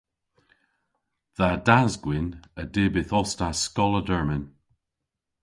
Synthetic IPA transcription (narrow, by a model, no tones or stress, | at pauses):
ðadazɡwɪnədebɪθɔstaskɔlˠədəɹmən